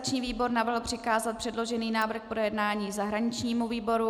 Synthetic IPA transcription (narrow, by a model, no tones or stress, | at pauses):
t͡ʃɲiːviːbo̞ɾnavrɦl̩pr̝̥ɪkaːzat̪̚pr̥ɛdlo̞ʒɛniːnaːvr̩xpɾojɛdnaːɲiːzaɦɾaɲɪt͡ʃɲiːmuviːbo̞ɾu